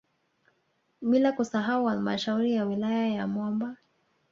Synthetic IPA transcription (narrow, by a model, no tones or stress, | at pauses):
ɓilakusaɦauhalma̰ʃauɾijawilajajamwɔmba